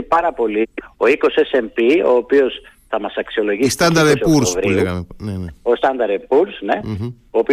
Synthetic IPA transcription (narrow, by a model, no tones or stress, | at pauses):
pɐɾɐpo̞lio̞iko̞sesempio̞̰ːpio̞s | θɐmɐsɐksio̞lo̞ʝist̪ɐnd̪ɐɾesuɾsovɾileɣɐmeneneost̪ɐnd̪ɐɾepuɾsne̞ | oːpi